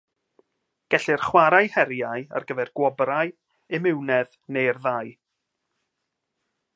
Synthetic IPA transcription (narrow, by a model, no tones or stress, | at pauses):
ɡ̥ɛɬɪrχwaɾajhɛɾjaja̰rɡəvɛrɡ̥wɔbraɨ | ɪmɪwnɛð | nejrðaj